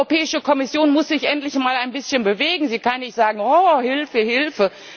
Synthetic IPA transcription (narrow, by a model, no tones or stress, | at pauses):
opɛːɪʃəkʰɔmɪsjoːnmʊsz̥ɪçʔɛntlɪçmaːlaɪnbɪsçənbəveːɡŋ̩ziːkʰanːɪçtz̥aːɡŋ̩ɔːhɪlfəhɪlfə